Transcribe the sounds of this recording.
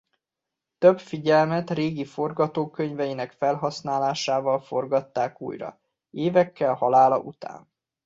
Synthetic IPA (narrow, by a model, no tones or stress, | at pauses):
t̪øbfiɟɛlmɛt̪reːɡifo̞rɡɒt̪oːkøɲvɛjinɛkfɛlɦɒsnaːlaːʃaːvɒlfo̞rɡɒt̪ːaːkṵːjrɒ̰ | eːvɛkːɛlhɒlaːlɒ̰ʔut̪a̰ːn